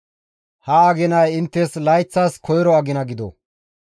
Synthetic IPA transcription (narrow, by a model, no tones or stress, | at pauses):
hɐɐɡɪnɐjɪnt̪ːɛslɐjt͡sːaːskɔjɾɔɐɡɪnɐɡɪd̪ɔ̰